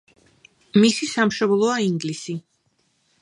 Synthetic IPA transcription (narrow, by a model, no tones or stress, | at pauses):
misisamʃɔblˠɔaiŋɡlisi